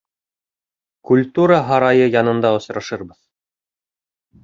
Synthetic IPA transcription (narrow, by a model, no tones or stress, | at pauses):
kulʲt̪uɾəɦɑɾɑjɤjɑnɤ̆nd̪ɑŏsɾɑʃɤɾbɤð